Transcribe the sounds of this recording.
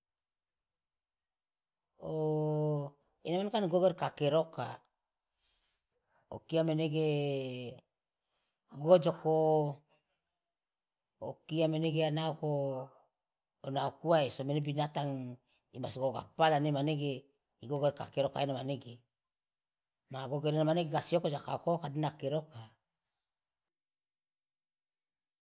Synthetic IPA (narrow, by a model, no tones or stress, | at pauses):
o | enamankanɡoɡeɾkakeɾoka̰ | o̰kiameneɡe | ɡod͡ʒoko | okiameneɡeanaoko | naokuaesomenebinat̪aŋ | imasɡoɡa̰palanemaneɡe | iɡoɡoɾka̰keɾoka̰enamaneɡe | maɡoɡeɾenamaneɡeɡasiokod͡ʒakaokokadenakeɾoka